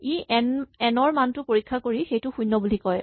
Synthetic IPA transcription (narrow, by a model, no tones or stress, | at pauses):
iʔɛnɛnɔɹmantʊpoɹikʰːakoɹixejtʊxujnːɔbulikɔj